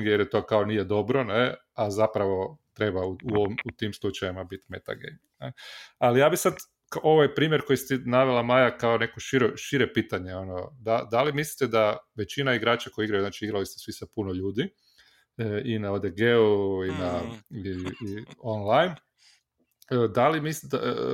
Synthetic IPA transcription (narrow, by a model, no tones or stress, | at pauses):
jeɾjet̪o̞kaonije̞d̪o̞bɾo̞ne | azapɾaʋo̞t̪ɾe̞bauuoʋimut̪imslˠut͡ʃajimabit̪me̞̰t̪a̰ɡḛjmnealijaːbisad̪ | kaʔo̞ʋajpɾiːmʲje̞ɾko̞jist̪inaʋelˠamajakao̞ne̞koʃiɾoʃiɾe̞piːt̪aɲe̞o̞nod̪ad̪alimislit̪ed̪aʋe̞t͡ɕinaiɡɾaːt͡ʃako̞jiɡɾajuznaːt͡ʃiiɡɾalist̪esʋisapunoʎuːd̪i | inaod̪eɡeuina | ionlajn | əd̪alimisia